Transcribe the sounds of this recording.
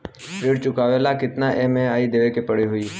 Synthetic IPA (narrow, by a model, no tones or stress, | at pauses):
pɾɪɽt͡ʃʊkaːʋelakɪt̪naʔemẽaːid̪eʋekepəɽiɦʊi